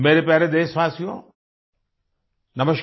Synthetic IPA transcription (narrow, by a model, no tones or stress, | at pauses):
meːɾepɛːɾed̪eːsʋaːsijõ̰ː | nɐməʃ